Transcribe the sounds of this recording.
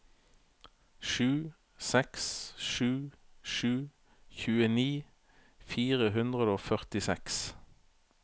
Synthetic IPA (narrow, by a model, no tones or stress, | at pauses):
ʃʉː | sɛksʃʉːʃʉː | çʉːəniː | fiːʁəɦʉnd̪ʁəd̪əoːfœʁt̪ɪsɛks